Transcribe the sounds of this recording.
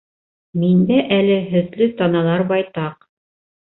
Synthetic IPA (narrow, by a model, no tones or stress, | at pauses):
mind̪æʔælɘɦɵ̆ðlɘt̪ɑnɑlˠɑɾbɑjt̪ɑq